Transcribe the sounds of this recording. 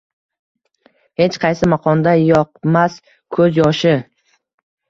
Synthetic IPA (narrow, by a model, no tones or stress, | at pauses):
he̞t͡ʃqʰɑjsɪmaqʰɒnd̪ajɒq̚mas | kʰɵzjɒʃɪ